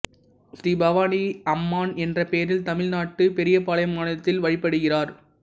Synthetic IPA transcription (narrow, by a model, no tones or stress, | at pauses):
sɾiːbɐʋaːniɐmːaːnɛndrɐpeːɾɪlt̪ɐmɪlnaːʈːɯpɛɾɪjɐpaːlɐjɐmaːnɐɐt̪ːɪlʋɐɻɪpːɐɽɯɣɪraːɾ